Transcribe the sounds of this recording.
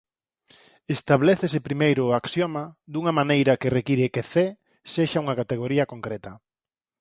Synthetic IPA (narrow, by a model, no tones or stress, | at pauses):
est̪aβleθesɪpɾimejɾʊaksjɔmad̪uŋɐmanejɾɐkɪrekiɾekeθe | seʃauŋɐkat̪eɣ̞oɾiɐkoŋkɾɛt̪ɐ